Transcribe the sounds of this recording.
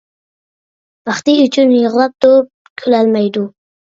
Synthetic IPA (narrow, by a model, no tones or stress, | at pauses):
bɑχt̪ɪyt͡ʃʰynjəʁlˠɑp̚t̪op̚ | kʲʰølælmɑjd̪u